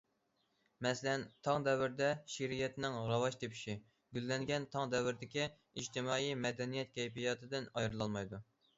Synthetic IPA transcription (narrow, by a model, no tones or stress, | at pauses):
mɛslɛnt̪ʰɑŋd̪ɛwɪɾd̪ɛʃiɾijɛt̪nɪŋɾɑwɑʃt̪ʰepʰi̥ʃi | ɡʲylːɛŋɡʲɛnt̪ʰɑŋd̪ɛwɪɾd̪ɪkʲi | id͡ʒt̪ʰɪmɑːijmɛd̪ɛnijɛt̪̚kʲʰɛjpijɑt̪ʰɨd̪ɪnɑjɾɨlˠɑlˠmɑjd̪u